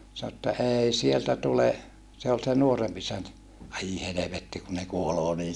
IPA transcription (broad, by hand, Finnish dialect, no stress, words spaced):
sɑno etːæ ei sieltæ tule se ol se nuoremp isæntæ ɑi heleʋetːi ku ne kuoloː niːn